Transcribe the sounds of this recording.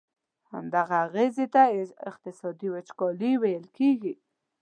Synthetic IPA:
ha̰md̪aɣaːɣezet̪aɪq̚t̪ɪsɑd̪iwet͡ʃkɔliwajəlkʰeɡi

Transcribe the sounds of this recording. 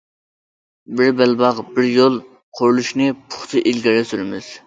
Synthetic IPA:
bɪɾbɛlbɑʁbɪɾjolˠ | qʰoɾlˠuʃnɨpʰʊ̥χt̪ʰɨʔilɡʲɛɾɛsyɾmɪz̥

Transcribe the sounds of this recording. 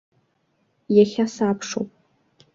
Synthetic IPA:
jaχʲasaːpʰʂo̰wpʼ

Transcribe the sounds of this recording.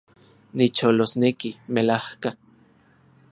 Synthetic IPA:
nit͡ʃolosnekimelahka

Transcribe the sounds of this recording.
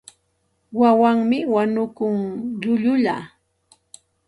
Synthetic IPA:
wawaŋmɪwanʊkʊŋʎʊʎʊʎa

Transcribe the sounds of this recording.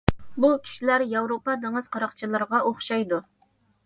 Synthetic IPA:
bukʲʰi̥ʃilæɾjɑwɾopɑd̪eŋɨz̥qʰɑɾɑqt͡ʃʰilˠɨɾʁɑʔoχʃɑjd̪u

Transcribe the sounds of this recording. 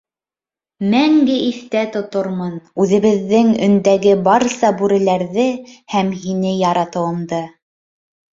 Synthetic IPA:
mæŋɡɘiθt̪æt̪ŏt̪oɾmɤnʉðɘ̆βɘ̆ðːɘŋɵ̰̆nd̪æɡɘbɑɾsɑbʉɾɘ̆læɾðɘhæmhinɘjɑɾɑt̪ɤ̆w̪ˠɤ̆nd̪ɤ

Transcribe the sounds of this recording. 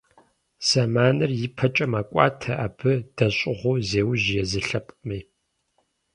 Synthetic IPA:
sɐmaːnɨrjɪpʰɐt͡ʃʼɐmaːkʷʼɑ̰ːtʰɐʔaːbɨd̥ɐɕʼɪʁʷʊːzeːwʒjɛzɨɬɐpʼmiː

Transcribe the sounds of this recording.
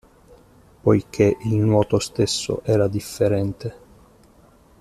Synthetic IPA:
pojk̟ʰeʔilnwɔːt̪ost̪esːo̰ʔɛːɾad̪ifːeɾɛnt̪e

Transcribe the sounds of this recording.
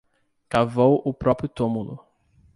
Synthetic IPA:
kavowʊpɾɔpɾjʊt̪ũmulʊ̰

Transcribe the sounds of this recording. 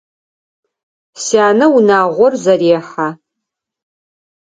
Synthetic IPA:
sjaːnɐunaːʁʷɔrzɐɾeːħa

